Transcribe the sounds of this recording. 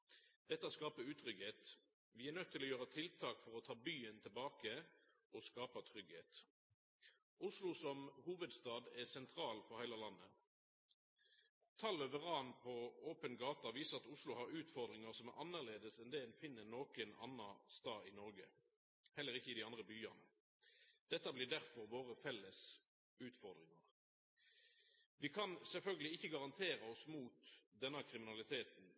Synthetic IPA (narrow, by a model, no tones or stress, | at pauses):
d̪̥ɛt̪ːəɑskɑːpəʉːt̪ʰɾʁʏɡheːt̪ | ʋɪæʁnœt̪t̪ʰːɪlɔːjøːʁət̪ʰɪlt̪ʰɑːkfɔʁɔt̪ʰɑːbyːənt̪ʰɪlbɑːkə | ʔɔskɑːpɑt̪ʰʁʏɡhḛːt̪ | ʊslʊsɔmhuːʋəd̪st̪ɑːd̪ɛsɛnt̪ʰɾɑːlpɔhæɪlɑlɑnːə | t̪ʰɑlːœʋəʁɑːnpʰɔoːpənɡɑːt̪ɑʋiːsəʁɑt̪ʊslʊhɑʁʉːt̪fɔʁd̪ʁɪŋəʁsɔmæʔɑnːəʁleːd̪əsɛnd̪ɛɛnfɪnːənoːkənɑ̰nːɑst̪ɑːɪnɔʁɡə̰ | hɛlːəʁɪçːəɪd̪ɪɑnd̪ʁəbyːɑ̰nə | d̪̥ɛt̪ːəblɪːʁd̪æʁfɔʁʋoːʁəfɛlːəs | ʉːt̪fɔʁd̪ʁɪŋɑʁ | ʋɪkʰɑnsɛlfœlɡəlɪɪçːəɡɑʁɑnt̪ʰeːʁəɔsmuːt̪d̪ɛnːɑkʰʁɪmɪnɑlɪt̪ʰeːt̪n